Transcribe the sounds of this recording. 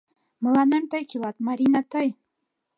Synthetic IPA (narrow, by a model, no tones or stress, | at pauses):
mɤ̆lˠɑnɘmt̪ɤjkʲylˠɑt̪mɑɾʲinɑt̪ɤj